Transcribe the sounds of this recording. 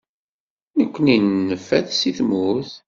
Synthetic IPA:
nəkʷːəninːəfːæðsiθmuθ

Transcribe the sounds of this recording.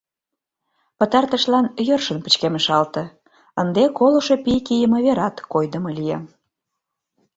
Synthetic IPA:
pə̆t̪ɑrt̪ə̆ʃlɑnjørʃənpə̥̆t͡ɕkeməʃɑlt̪ɤ̆ | ənd̪ekoloʃo̽pikijəmə̆βeɾɑt̪kojd̪ə̆mɤlijɑ̰

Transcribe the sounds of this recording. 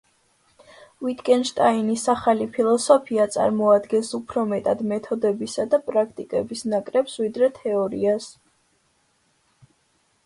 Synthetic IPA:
vit̪ʰkʼɛnʃt̪ʼainisaχalipʰilˠɔsɔpʰiat̪sʼa̰ɾmɔad̪ɡɛnsupʰɾɔmɛt̪ʼad̪mɛt̪ʰɔd̪ɛbisad̪apʼɾakʰt̪ʼikʼɛbisnakʼɾɛpswid̪ɾɛt̪ʰɛɔɾḭas

